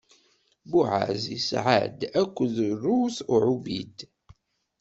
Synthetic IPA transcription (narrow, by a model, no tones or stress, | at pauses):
buʕa̰zḭsʕa̰d̪ækʷːðruθʊʕubid̪